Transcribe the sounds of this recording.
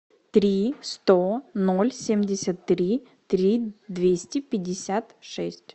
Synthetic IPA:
t̪ɾʲist̪onolʲsʲemʲdʲɪsʲət̪ːɾʲi | t̪ɾʲid̪vʲesʲtʲɪpʲɪdʲɪsʲat̪ʂɛsʲtʲ

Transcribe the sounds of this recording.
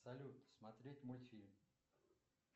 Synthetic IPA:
sɐlʲut̪smɐt̪ɾʲetʲmojfʲilʲm

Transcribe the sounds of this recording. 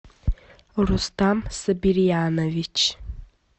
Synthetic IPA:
rustʰamsɨbirijanovit͡ʃʰ

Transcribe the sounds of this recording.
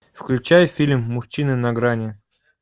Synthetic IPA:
fklʲʉt͡ɕæjʊfʲilʲmːʊʃt͡ɕːinɨnɐɡɾanʲɪ

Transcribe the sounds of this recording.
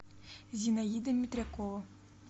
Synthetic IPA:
zʲinɐjid̪ɐmʲːit̪ɾʲakɔɔ

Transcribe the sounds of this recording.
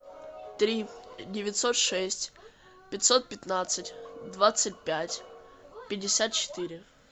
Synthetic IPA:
t̪ɾʲidʲɪvʲɪt̪ʲsot̪ʂɛsʲtʲ | pʲɪt̪ʲsot̪̚pʲɪt̪nat̪sɨtʲd̪vat̪sɨt̚ʲpʲætʲpʲɪdʲɪsʲat̪̚t͡ɕɪ̥t̪iɾʲɪ

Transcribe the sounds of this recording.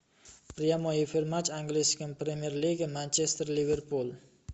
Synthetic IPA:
pɾijamoifeɾmat͡ʃaŋɡlɪskʲɪnpɾemieɾliɡʲamant͡ʃest̪eɾliveɾpʰulˠ

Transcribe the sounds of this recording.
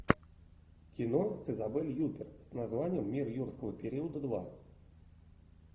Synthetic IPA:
kʲinɔsʲɨzabɛlʲjupʲɛrsnazvanʲːɛmːʲirjurskəvəpʲɛɾʲiəd̪əd̪va̰

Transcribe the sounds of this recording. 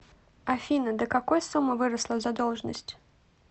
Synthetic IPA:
afʲinɐd̪ɨkakɔjsumɐvɨɾɐslˠɐzad̪ɔlˠʐnɐsʲtʲ

